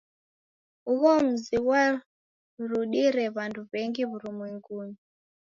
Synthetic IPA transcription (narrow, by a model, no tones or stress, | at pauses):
uβom̩ziwa | ruɗiɾeβantʰuβeŋɡiβurumweŋɡuːɲi